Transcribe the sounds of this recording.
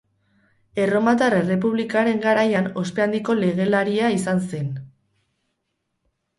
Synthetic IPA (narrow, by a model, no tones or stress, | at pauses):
e̞ro̞mat̪arere̞p̬uβlikaɾe̞ŋɡaɾajano̞spe̞and̪iko̞le̞ɣ̞e̞laɾiaisanse̞n